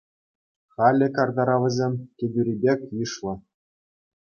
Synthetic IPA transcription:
χɑlʲːɘ̆kɑrd̪ɑɾɑʋʲɘ̆zʲemʲkʲĕbʲyɾʲibʲekʲjɯʂlˠɤ̆

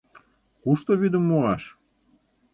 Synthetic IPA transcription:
kuʃt̪oβid̪əmːoɑʃ

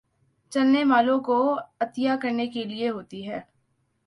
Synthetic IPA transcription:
t͡ʃɐlːemaːlõkoɐt̪ijakɐɾnekelieɦoːt̪iɦɛː

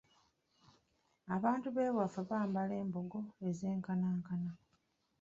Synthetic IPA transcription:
aβaːntuβe̞ːβwafeβaːmbale̞ːmbo̞ɡo̞eze̞ːŋkanaːŋkana

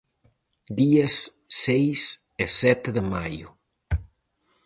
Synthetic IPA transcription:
d̪iɐsː | ejs | ɪsɛt̪ɪðɪmajʊ̰

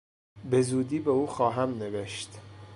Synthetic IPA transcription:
be̞zuːd̪iːbeuːxɒːɦæmneveʃt̪

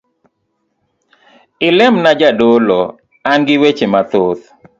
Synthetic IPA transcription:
ɪlɛmnad͡ʒadolɔ | anɡɪwet͡ʃemat̪ot̪

